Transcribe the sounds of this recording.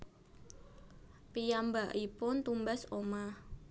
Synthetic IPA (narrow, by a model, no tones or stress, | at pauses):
pijambaʔipʊnt̪umbasoma